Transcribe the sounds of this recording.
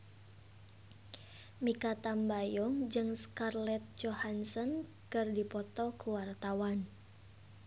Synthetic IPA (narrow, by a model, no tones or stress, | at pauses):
mikat̪ambajɔŋd͡ʒɨŋskarlɛt̪̚d͡ʒohansɔn | kɨrdipɔt̪ɔkuwart̪awan